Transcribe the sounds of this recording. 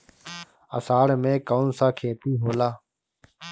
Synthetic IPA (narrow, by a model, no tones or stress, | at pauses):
ə̰saːɽmẽːkaːnsãːkʰeːt̪iːɦoːlaː